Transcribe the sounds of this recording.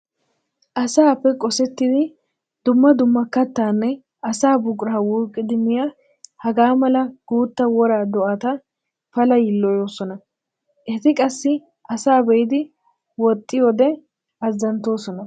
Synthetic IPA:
ʔɐsaːpːɛkʼɔsɛt̪ːɪd̪ɪ | d̪̥ʊmːɐd̪ʊmːɐkɐt̪ːaːnːɛ | ɐsaːbʊkʼɾaːwuːkʼːɪd̪ɪmɪja | hɐɡaːmɐlɐɡ̥uːt̪ːɐwɔɾaːd̪ɔʔɐt̪ɐ | fɐlɐjɪlːɔjo̞ːsɔnɐ | ʔɛt̪ɪkʼɐsːɪ | ʔɐsaːbɛjɪd̪ɪ | wɔt̪ʼːɪjod̪ɛ | ɐzːɐnt̪o̞ːsɔnɐ

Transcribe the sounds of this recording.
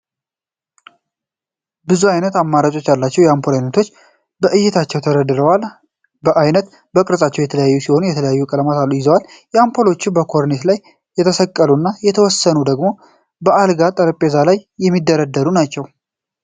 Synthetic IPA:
bɨzuajnət̪amːaɾat͡ʃʼo̞t͡ʃːjalːat͡ʃːɛwjɛampʰolajnət̪ʰo̞t͡ʃː | bəʔɨjːɪt̪ʰat͡ʃːɛwt̪ʰəɾəd̪ɨɾəwal | bəʔajnət̪ | bəkʼɨɾəsʼat͡ʃːɛwjɛt̪ʰələjajːusiho̞nujɛt̪ʰələjajːukʼələmat̪alːujɪzəwal | jɛampʰolo̞t͡ʃːɪmbəkʰo̞ɾnet̪laj | jɛt̪ʰəsəkʼːəlunːajɛt̪ʰəwɔsːənud̪əɡmo̞ | bəʔalɡat̪ʼəɾəpʼe̞zalajːɛmːid̪ːəɾəd̪ːəɾunat͡ʃːɛw

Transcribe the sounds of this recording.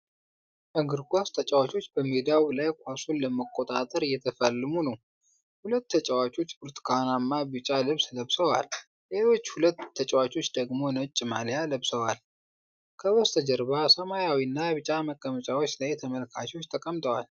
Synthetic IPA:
ʔəɡɨɾɡʷast̪ʰət͡ʃʼawat͡ʃʼo̞t͡ʃːbəmid̪iawbɨlajkʷʰʼasunləməkʼo̞t̪ʼat̪ʼəɾɨjɛt̪ʰəfəlːɨmunəw | hulət̪ːʰət͡ʃʼəwat͡ʃʼo̞t͡ʃːbuɾt̪ʰi̥kʰanamːabɨt͡ʃʼalɨβsləβsəwa̰l | le̞lo̞t͡ʃːhulət̪ʰːət͡ʃʼɛwat͡ʃʼo̞t͡ʃːd̪əɡmo̞nət͡ʃʼːɪmaljaləβsəwal | kʰəwɔst̪ʰəd͡ʒəɾbasəmajawinːaβɨt͡ʃʼaməkʼːəmət͡ʃʼawot͡ʃːlajt̪ʰəməlkʰat͡ʃwo̞t͡ʃːt̪ʰəkʼəmt̪ʼəwal

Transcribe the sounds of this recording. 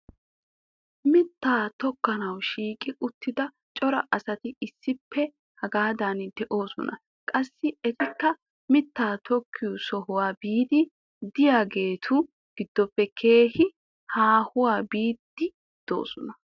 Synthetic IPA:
mɪt̪ːaːt̪ɔkːɐnɐwʃiːkʼɪʔʊt̪ːɪd̪ɐ | t͡ʃʼɔɾɐʔɐsɐt̪ɪɪsːɪpʰːɛ | hɐɡaːd̪aːnd̪ɛʔo̞ːsɔ̰nʔɐ̰ | kʼɐsːɪɛt̪ɪkːɐ | mɪt̪ːaːt̪ɔkʰːɪjʊsɔɦʊwaːbiːd̪ɪ | d̪ɪjaːɡe̞ːt̪ʰʊ | ɡ̥ɪd̪̥ːɔpːɛkʰe̞ːhɪ | haːhʊwaːbiːd̪ːɪ | d̪̥o̞̰ːsɔnɐ

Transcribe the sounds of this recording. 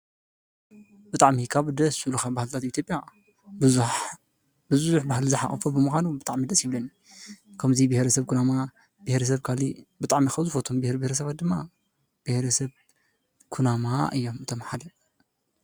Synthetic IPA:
bɨt̪ʼaʕmikʰaβd̪ɐsuluxabahlt̪ʰat̪it̪ʰjopʼja | bɨzzuħbahlzɨħa̰χʼɐfubɨmɨxʷanubɨt̪ʼaʕmid̪ɐsjɪβlɐni | kʰɐmzibɪhɾɐsɐβkʰunama | b̥ɨhɾɐsɐβkʰalibɨt̪ʼaʕmixɐzɨfot̪ʰombɨhɾibihɾɐs̬ɐβat̪̚d̪ɨmːa | b̥ɨhɾɐsɐβ | kʰunamaʔɨjːo̞mɨt̪ʰomħad̪ɐ

